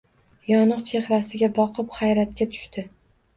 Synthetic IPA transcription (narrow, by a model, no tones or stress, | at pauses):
jɒnɨqt͡ʃʰe̞χɾasɪɡʲabɒqʰɨpχajɾat̪kʲat̪ʰʊ̥ʃt̪ʰɪ